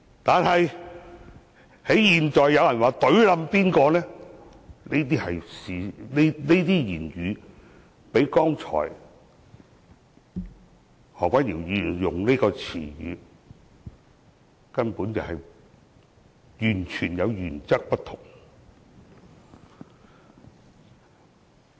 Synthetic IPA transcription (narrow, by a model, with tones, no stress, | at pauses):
t̪aː˨nɦɐ˨j | he˨˥jjiː˨nt͡ʃɔː˨jːɐ˨˧wjɐ˨˩nwaː˨t̪ɵ˨˥ɥlɐ˨˧mpiː˥nkɔː˧nɛː˥ | ne˥t̪iː˥hɐ˨jsiː˨˧ne˥ne˥t̪iː˥jiː˨˩njyː˨˧ | pe˨˥jkɔː˥ŋt͡ʃʰɔ̰ː˨˩j | hɔː˨˩kʷa˨˥niː˨˩wjyː˨˧˨jʊ˨ŋne˥kɔː˧t͡sʰḭː˨˩jy̰ː˨˧ | kɐ˥npuː˨˥nt͡sɐ˨whɐ˨j | jyː˨˩nt͡ʃʰyː˨˩njɐ˨˧wjyː˨˩nt͡sɐ˥k̚pɐ˥t̪ʰʊ˨˩ŋ